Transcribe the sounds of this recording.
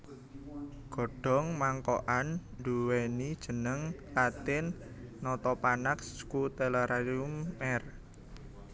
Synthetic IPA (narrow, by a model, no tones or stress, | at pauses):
ɡ̥ɔ̤ɖ̥ɔ̤ŋmaŋkɔʔanduwɛnid̥ʒ̥ə̤nəŋlat̪ɪnː | ɔt̪ɔpanakskut̪ɛlaɾaliumɛr